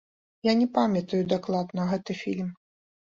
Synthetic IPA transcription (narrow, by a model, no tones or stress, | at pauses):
janʲɛpamʲjɐt̪ɐjud̪aklˠad̪nɐɣɛt̪ɨfʲḭlʲm